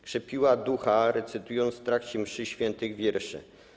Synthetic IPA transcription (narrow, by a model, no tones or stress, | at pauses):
kʂɛpʲiwad̪uxaɾɛt̪sɘt̪ujɔnt̪sft̪ɾakt͡ɕimʂɘɕfʲjɛnt̪ɘɣvʲjɛɾʂɘ̰